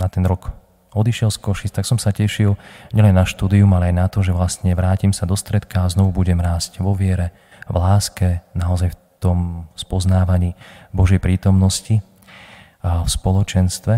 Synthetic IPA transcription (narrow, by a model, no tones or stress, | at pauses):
nat̪ɛnɾɔk | ɔd̪iʃɪɛlskɔʃist̪aksɔmsacɛʃilɲɛlɛnːaʃt̪uːd̪iumalɛajnat̪ɔʒɛʋlast̪ɲɛʋɾaːcimsad̪ɔst̪ɾɛt̪kaːznɔʋubuɟɛmɾaːscʋɔʋɪɛɾɛ | ʋlaːskɛnaɔzajf | t̪ɔmspɔznaːʋaɲiːbɔʒɛjpɾiːt̪ɔmnɔsci | fspɔlɔt͡ʃɛnst̪ʋɛ